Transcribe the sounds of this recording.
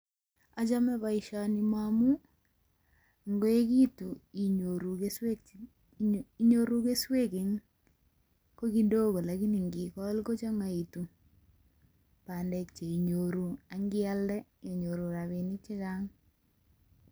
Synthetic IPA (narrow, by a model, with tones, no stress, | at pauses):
a˨t͡ʃa˦mɛ˦ba˨iʃani˨mamu˦ | ŋɡo˦e˦ki˦tu˨i˨ɲoɾu˨˦s | i˦ɲo˦ɾu˦ke˦swe˦ke˨ŋ | ko˦ki˦do˦ko˨la˨ki˦ni˨ŋɡi˨kɔ˦lko˦t͡ʃɔ˦ŋa˨i˨tu˨ | pa˨ndɛ˨kt͡ʃe˨i˨ɲo˨ɾu˨a˨ŋɡɪ˦a˦ldɛ˦je˨ɲo˨ɾu˨ɾa˨βe˨ni˦t͡ʃɪ˦ka˦ŋ